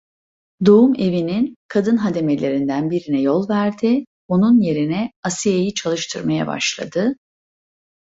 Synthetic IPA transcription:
d̪o̞ume̞vininkʰad̪ɯnɦad̪e̞me̞lʲe̞ɾind̪ænbiɾinɛjo̞lˠvæɾd̪ɪ | o̞nunje̞ɾinɛasijejit͡ʃʰalˠɯʃt̪ʰɯɾmaja̰ba̰ʃlˠa̰d̪ɯ

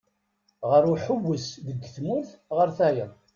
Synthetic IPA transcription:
ʁəɾʊħʊwːəsðəɡːθmʊɾθʁəɾθæjəð

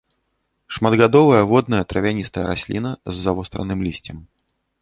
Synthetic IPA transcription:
ʂmɐd̪ɣad̪ɔvɐjɐvɔd̪nɐjɐt̪ɾɐvʲanʲist̪ɐjɐɾasʲlʲinɐzːavɔst̪ɾɐ̰nɨmlʲisʲt͡sʲɛm

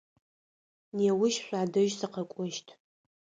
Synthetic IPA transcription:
neːwʊʃɕʷᶣaːdɨʒsɨqʰakʷʼʊʃtʰʼ

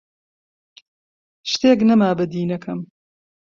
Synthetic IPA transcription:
ʃt̪eːknɐmaːbɐd̪iːnɐkʰɐm

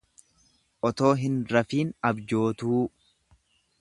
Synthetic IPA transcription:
ʔɔt̪o̞ːɦɪnɾɐfiːnɐbd͡ʒo̞ːt̪uː

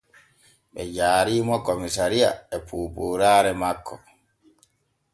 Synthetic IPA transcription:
ɓɛd͡ʒaːɾiːmɔkomisaɾija̰ɛpʰuːpuɾaːɾɛmakːɔ

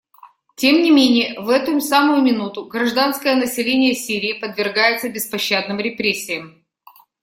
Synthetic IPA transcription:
tʲemnʲɪmʲenʲɪjəvɛt̪ʊsamʊjʊmʲɪnut̪ʊɡɾɐʐd̪anskəjənəsʲɪlʲenʲɪjəsʲiɾʲɪːpəd̪vʲɪrɡajɪt̪səbʲɪspɐɕːad̪nɨmɾʲɪpɾʲesʲːɪjəm

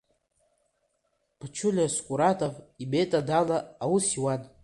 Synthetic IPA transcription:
pʰat͡ʃʰʊlʲaskʷʼuɾatʼavibetʼadalaːwusiwan

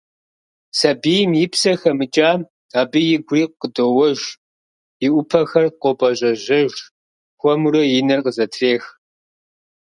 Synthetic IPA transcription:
sɐbiːjmjɪpʰsɐxɐmɨt͡ʃʼḁː | aːbɨjɪɡʷʊriːqədoːwɔʒ | jɪʔʷʊpʰɐxɐrqʷʼopʼɐʑɐʑɐʒ | xʷɔmuɾɐjɪnɐrqəzɐtʰreːx

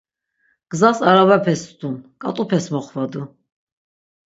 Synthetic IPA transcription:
ɡ̥zasaɾavɛpʰɛsd̪unkʼa̰t̪ʼupʰɛsmɔχvad̪u

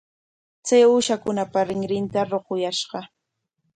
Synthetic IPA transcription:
t͡sajʊːʃakʊnapaɾɪŋɾɪnt̪aɾoɢʊjaʃɢɑ

